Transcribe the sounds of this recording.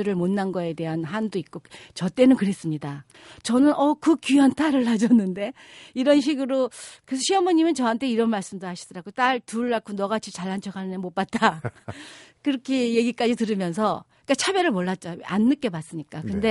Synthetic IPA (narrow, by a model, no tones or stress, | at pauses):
ɯɾɯɭmonːanɡʌe̞dte̞ɦanɦandoik̚k͈ot͡ɕʌt͈e̞nɯnkɯɾe̞s͈ɯmɲida | t͡ɕʌnɯnʌkɯkuantʰaɾɯɭːad͡ʑʌnːɯnde̞ | iɾʌnɕ̬ʰiɡɯɾokɯɾesʰʌɕʰiʌmoɲimint͡ɕʌɦantʰe̞iɾʌnmaɭs͈ɯmduɾhaɕʰi̥dʌɾaɡot͈aɭtuɭːakʰonʌɣat͡ɕʰit͡ɕaɭːant͡ɕʰʌkʰanɯnemop͈at̚t͈a | kɯɾʌkʰeje̞ɡik͈ad͡ʑitɯɾɯmjʌns̬ʰʌik͈at͡ɕʰabjʌɾɯɭmoɭːat̚t͡ɕ͈aanːɯk͈e̞bas͈ɯmɲik͈akɯnde̞